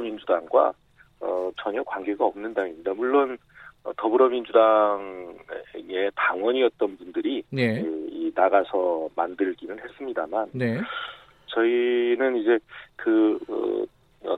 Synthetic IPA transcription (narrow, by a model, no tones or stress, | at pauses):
mind͡ʑudaŋɡwa̰ | ʌt͡ɕʌɲʌkwaŋɡe̞ɡaʌmnɯndaŋimɲidamuɭːon | ʌ̰tʌbɯɾʌmind͡ʑudaŋ | ŋe̞taŋwʌɲiʌt̚t͈ʌnbundɯɾineinaɡasʰʌmandɯɭɡinɯnhe̞s͈ɯmɲidamanne | t͡ɕʌinɯnid͡ʑe̞kɯʌ̰ | ʌ̰